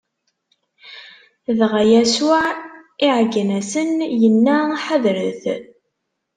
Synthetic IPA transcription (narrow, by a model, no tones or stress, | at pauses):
ðʁæjæsʊʕiʕɡənæsənjənːaħəðɾəθ